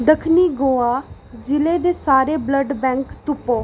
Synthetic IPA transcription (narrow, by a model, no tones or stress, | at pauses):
d̪əkʰniːɡoːaː | d͡ʒɪleːd̪eːsaːɾeːbləɖbɛ̃ːŋkt̪ʊpːoː